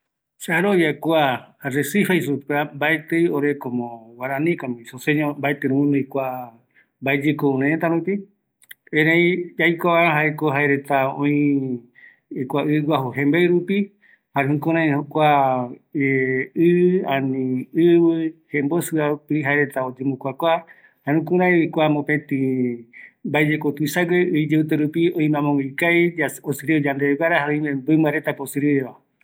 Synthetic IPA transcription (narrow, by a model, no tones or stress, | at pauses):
saɾojakuaɾesifaisupambaet̪ɨjoɾekomõwaɾãnĩkamĩsoseɲõmbaet̪ɨɾũũnõikʷa | mbaed͡ʒekooɾãet̪aɾũpi | ẽɾẽjd͡ʒajkʷaβaɾãɦaekoɦaeɾet̪aõ̰ĩ | kʷaɨɡʷaɦoɦẽmbeɨɾupi | haɾehũkũɾ̃ãjhokʷa | ɨãnĩɨβɨhembosɨapiɦaeɾe̞t̪aod͡ʒemukʷakʷa | haeũkũɾãj̃ikʷamõpẽt̪ĩ | mbaed͡ʒekot̪uisaɡeɨid͡ʒeut̪eɾupiõĩmãmõŋikajaosɨɾeod͡ʒand̪eɡaɾaɦaõĩmẽmbɨmbaɾet̪aposɨɾieβa